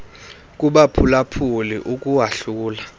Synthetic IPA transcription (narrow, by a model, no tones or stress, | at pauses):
k̬ʼuɓapʰulapʰulḭʔukʼuwaɬuːla